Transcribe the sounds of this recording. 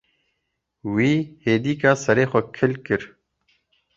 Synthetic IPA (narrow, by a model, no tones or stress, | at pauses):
wiːheːd̪iːkaːsɐɾeːxɐkʰːɪlkiɾ